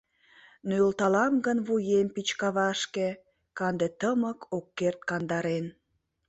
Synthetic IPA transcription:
nylt̪ɑlɑmɡənβujempit͡ɕkɑβɑʃke | kɑnd̪et̪əməkʰokːert̪̚kɑnd̪ɑɾen

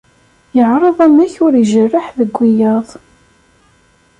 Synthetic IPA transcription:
jəʕɾˤəðˤæmæçʊɾiʒərːaħðəɡʷːijɑðˤ

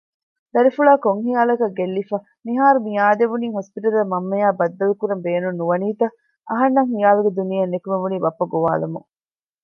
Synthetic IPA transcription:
d̪̥ɐɾifuɭaːkoŋhijaːlɐkɐɡːelːifɐ | niɦaːɾumijaːd̪eʋuniːɦospiʈɐluɐmɐmːɐjaːbɐd̪ːɐlukuɾɐmbeːnunːuʋɐniːt̪ɐ | ʔɐɦɐnːɐŋhijaːluɡed̪unijɐnːekumeʋuniːbɐpːɐɡoʋa̰ːlɐmṵŋ

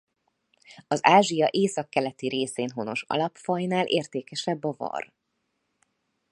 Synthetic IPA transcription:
ɒzaːʒijɒʔeːsɒkːɛlɛt̪iɾeːseːnɦo̞no̞̰ʃɒ̰lɒpfɒjnaːlʔeːrt̪eːkɛʃɛbːɒvɒ̰r

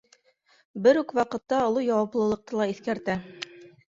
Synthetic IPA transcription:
bɘɾʉkwɑqɤ̆t̪ːɑŏlˠɤjɑwɑplˠɤ̆lˠɤ̆q̚t̪ɤlˠɑiθkæɾt̪æ

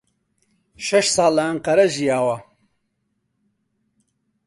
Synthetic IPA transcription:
ʃɐʃsɑːlːɐɐŋqɐɾɐʒijaːwɐ

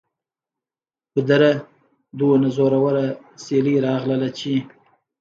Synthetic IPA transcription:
pəd̪aɾa | d̪unazoɾawaɾa | seliɾɑɣləlat͡ʃi

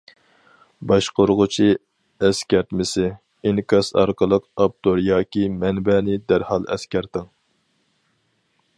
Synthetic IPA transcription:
bɑʃqoɾʁʊt͡ʃʰi | ɛskʲɛɾt̪mɪsɪ | enkʰɑsɑ̰ɾqʰəlˠəqɑp̚t̪oɾjɑːkʲimɛnbɛːnɪd̪æɾhɑlˠɛ̰skʲæɾt̪ɨŋ

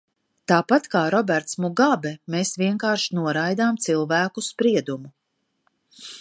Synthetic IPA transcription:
t̪aːpat̪kaːɾɔbɛɾt̪smuɡabɛmeːsviɛŋkaːɾʃnuɔɾajd̪aːmt̪silˠvæːkuspɾiɛd̪umu

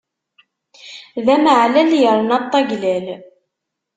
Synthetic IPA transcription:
ðæməʕlæljəɾˤnɑt̪ˤːɑɡlæl

